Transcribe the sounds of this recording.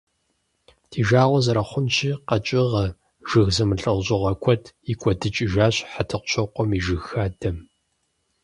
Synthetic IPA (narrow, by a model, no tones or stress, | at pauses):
tʰiːʒaːʁʷɔzɐɾɐχʷʊnt͡ʃʰiːqɐt͡ʃʼɪʁɐ | ʒ̥ɨɣzɐmɨɬʼɐwʑʼɪʁɐkʷʰɔtʰikʷʰʼɔdɨt͡ʃʼiʒaːɕʼħatʰɨqʷʊ̥ɕʰɔqʷɔmiʒɨɣaːdɐm